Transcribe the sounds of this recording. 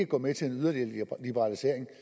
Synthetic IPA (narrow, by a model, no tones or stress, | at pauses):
əɡ̥ɒ̰ːmet͡sʰe̝lenyðˠɐde̝̰llib̥eʁɑ̈lise̝ɐ̰e̝ŋ